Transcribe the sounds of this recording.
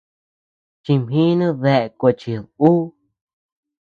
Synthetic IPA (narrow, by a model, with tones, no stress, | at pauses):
t͡ʃi˧mhĩ˦nũ˦ðe˧ʔe˧ko˧t͡ʃi˧ðuː˦